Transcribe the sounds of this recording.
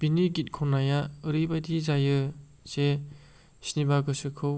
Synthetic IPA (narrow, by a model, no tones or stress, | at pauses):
b̥iniɡit̚kʰɔnajaɯɾibajdizajɯ | z̥e | snibaɡɯsɯkʰɯw